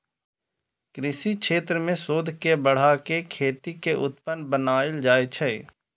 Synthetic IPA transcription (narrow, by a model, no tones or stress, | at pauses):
kɾɪʃikʃeːt̪ɾəmẽsoːd̪ʱkebəɽ̤akekʰeːt̪ikeʔʊt̪̚pənbənaːɪld͡ʒaːet͡ʃʰɛe